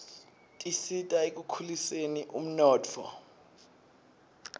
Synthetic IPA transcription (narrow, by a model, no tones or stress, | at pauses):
tʼisitʼaek̬ʼukʰuliseniʔum̩nɔːt͡fʰɔ̰